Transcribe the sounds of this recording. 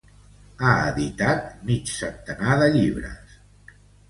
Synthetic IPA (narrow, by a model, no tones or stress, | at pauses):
aəðit̪at̪̚mit͡ʃsənt̪ənaðəʎiβɾə̰s